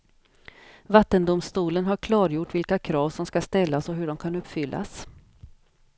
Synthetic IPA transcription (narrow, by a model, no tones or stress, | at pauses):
vat̪ːənd̪ʊmst̪uːlənɦaɾkʰlɑːɾjʊʈːvɪlkakʰɾɑːvsɔmskast̪ɛlːasɔɦɵɖɔmkʰanɵpːfʏlːa̰s